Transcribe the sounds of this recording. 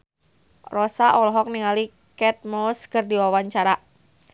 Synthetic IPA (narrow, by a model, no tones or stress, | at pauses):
rɔsaʔɔlɔɦɔk̚niŋali | kɛt̪̚mɔskərdiwawaɲt͡ʃaɾa